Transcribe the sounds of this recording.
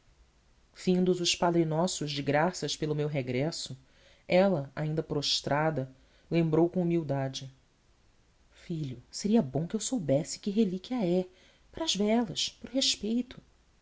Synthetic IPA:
v̥ĩnd̪ʊzʊʃpad̪ɾɪnɔsʊʒd͡ʒɪɡɾasɐʃpelʊmewɦeɡɾɛsʊ | ɛlɐa̰ĩnd̪ɐpɾoʃt̪ɾad̪ɐ | lẽmbɾowkõumiwd̪ad͡ʒɪ | fiʎʊseɾiɐbõkɪewsowbɛsɪ̥kɪɦelikʲiɐɛ | paɾɐːzvɛlɐʃpɾʊɦeʃpejt̪ʰʊ̥

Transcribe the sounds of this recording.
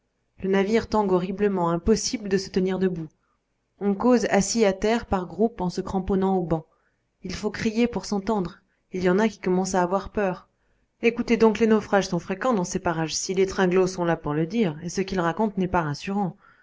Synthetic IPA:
lənaviʁt̪ɑ̃ɡɔʁibləmɑ̃ɛ̃pɔsibləd̪əsət̪əniʁd̪əbu | ɔ̃kozasiat̪ɛʁpaʁɡʁupɑ̃səkχɑ̃pɔnɑ̃obɑ̃ | ilfokχijepuʁsɑ̃t̪ɑ̃d̪ʁ | iljɑ̃nakʲi̥kɔmɑ̃saːvwaʁpœːʁ | ekut̪ed̪ɔ̃klenofχaʒsɔ̃fχekɑ̃d̪ɑ̃sepaʁaʒsilet̪χɛ̃ɡlosɔ̃lapuʁləd̪iʁesəkʲilʁakɔ̃t̪nɛpaʁasyʁɑ̃

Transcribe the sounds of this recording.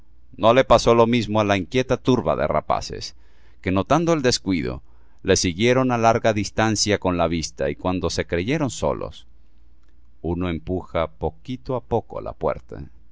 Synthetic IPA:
no̞le̞paso̞lo̞mizmoalaiŋkje̞t̪at̪uɾβa̰ðe̞̰ra̰pa̰sḛs | ke̞no̞t̪and̪oe̞ld̪e̞skwiðo̞̰ | le̞siɣje̞ɾo̞nalaɾɣaðist̪ansjako̞nlaβist̪aikwand̪o̞se̞kɾe̞ʝe̞ɾo̞nso̞̰lo̞̰s | uno̞e̞mpuxapo̞kit̪oapo̞ko̰la̰pwe̞̰ɾt̪a̰

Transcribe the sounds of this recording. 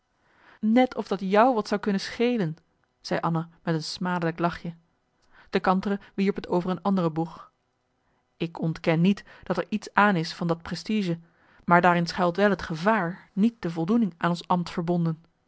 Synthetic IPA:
nɛtʰɔvdɑtjʌwʋɑtsɑwkɵnəsχejlən | z̥ɛjʔɑnamɛtənsmaːdələklɑχjə | d̥əkɑntərəʋiɹpɦətowvəɹənɑndərəbuχ | ɪkɔntkɛnːitd̥ɑtɛɹʔitsaːnɪsfɑndɑt̚prɛstiʒə | maːɹdaːɾɪnsχɛlˠtʋɛlˠɦətχəvaːɹnit̚d̥əvɔlˠdunɪŋʔaːnɔnsɑmtfəɹbɔndən

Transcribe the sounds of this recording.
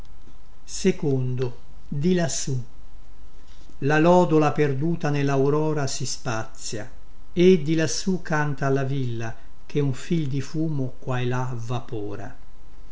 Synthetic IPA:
sekond̪o | d̪ilasu | lalɔːd̪olaperd̪uːt̪anelːawɾɔːɾasispat̪sːja̰ | ed̪ilasːukːant̪aːlavilːa | k̟euɱfild̪ifuːmokwaela | vapɔːɾa̰

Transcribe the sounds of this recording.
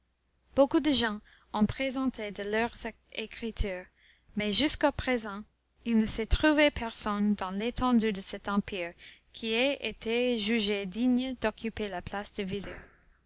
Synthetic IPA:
b̥okud̪əʒɑ̃ | ɔ̃pχezɑ̃t̪ʰed̪əlœʁz | ekχit̪ʰyːʁ | mɛʒyskapχezɑ̃ | ilnəsɛt̪χuvepʰɛʁsɔnd̪ɑ̃let̪ʰɑ̃d̪yd̪əsɛt̪ɑ̃piʁkʰiɛet̪ʰeʒyʒed̪iɲd̪ɔkypelaplasd̪̥əvize

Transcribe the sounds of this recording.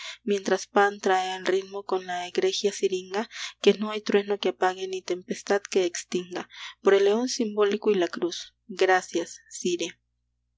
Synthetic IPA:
mje̞nt̪ɾaspant̪ɾaealrid̪mokonlaeɡɾesjasiɾiŋɡakenoajt̪ɾwenokepaɣenit̪empest̪ad̪keːkst̪iŋɡapoɾelːeonsimbolikoilakɾus | ɡɾasjasːiɾja

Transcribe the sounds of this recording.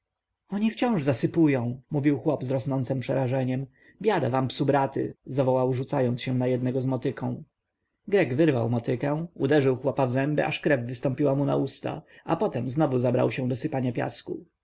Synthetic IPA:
ɔɲift͡ɕɔ̃w̃ʐzasɘpujɔ̃w̃muvʲiwxwɔbzɾɔsnɔnt̪sɛmpʂɛɾaʐɛɲɛm | bʲjad̪avampsubɾat̪ɘ̰zavɔwawʐut̪sajɔnt̪sɕɛ̃najɛd̪nɛɡɔzmɔt̪ɘkʰɔ̃w̃ | ɡɾɛɡvɘɾvawmɔt̪ɘkɛ̃w̃ud̪ɛʐɘwxwɔpavzɛmbɘ̰ʔaʂkɾɛvːɘst̪ɔmpʲiwamuna̰ust̪a̰ | apɔt̪ɛmznɔvuzabɾa̰wɕɛ̃d̪ɔsɘpaɲapʲja̰skṵ

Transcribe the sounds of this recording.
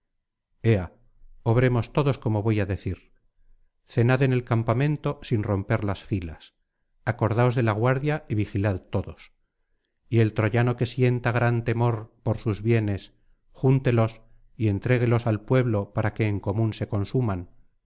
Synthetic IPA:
e̞a | o̞βɾe̞mo̞st̪o̞ðo̞sko̞mo̞βo̞jaðe̞θiɾ | θe̞naðe̞ne̞lkampamẽ̞nt̪o̞sinro̞mpe̞ɾlasfilas | ako̞ɾðao̞zðe̞laɣwaɾðjaiβixilaðt̪o̞ðo̞s | ie̞lt̪ɾo̞ʝano̞ke̞sje̞nt̪aɣɾant̪e̞mo̞ɾpo̞ɾsuzβje̞ne̞s | xunt̪e̞lo̞s | ie̞nt̪ɾe̞ɣ̞elo̞salpwe̞βlo̞paɾake̞ːŋko̞mũnse̞ko̞nsuman

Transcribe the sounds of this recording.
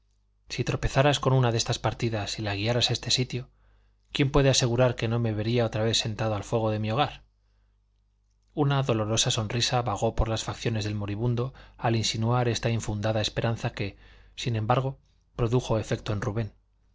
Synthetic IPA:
sit̪ɾo̞pe̞θaɾasko̞nunaðe̞st̪aspaɾt̪iðasilaɣ̞iaɾasae̞st̪e̞sit̪jo̞ | kje̞mpwe̞ð̞ease̞ɣuɾaɾke̞no̞me̞βe̞ɾiaot̪ɾaβe̞θse̞nt̪aðoalfwe̞ɣ̞o̞ðe̞mio̞ɣ̞aɾ | unaðo̞lo̞ɾo̞saso̞nrisaβaɣ̞o̞po̞ɾlasfakθjo̞ne̞zðe̞lmo̞ɾiβ̞und̪o̞alinsinuaɾe̞st̪aiɱfund̪aðae̞spe̞ɾanθake̞sinẽ̞mbaɾɣ̞o̞ | pɾo̞ðuxo̞e̞fe̞k̚t̪o̞e̞nruβe̞n

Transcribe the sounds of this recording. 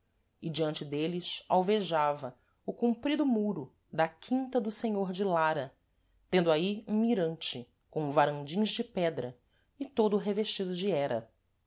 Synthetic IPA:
ɪd͡ʒiɐ̃nt͡ʃɪd̪elɪsa̰wveʒavɐ | ʊkũmpɾid̪ʊmuɾʊ | d̪ɐkʰĩnt̪ɐd̪ʊsẽɲoɾd͡ʒɪlaɾɐ | t̪ẽnd̪ʊaiũmiɾɐ̃nt͡ʃɪ | kõw̃vaɾɐ̃nd͡ʒĩɲ̃zd͡ʒɪpɛd̪ɾɐ | ɪt̪od̪ʊɦeveʃt͡ʃid̪ʊd͡ʒɪɛɾɐ̰

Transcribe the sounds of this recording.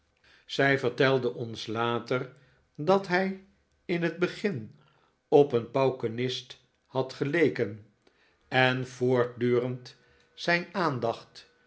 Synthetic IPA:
z̥ɛjvəɹtɛlˠdənɔnslaːtər | dɑtɦɛj | ɪnɦəd̚bəχɪn | ɔpənpɑwkənɪst | hɑtχəlejkən | ɛnv̥ʊːɹt̚dyːrənt | sɛjnaːndɑχt

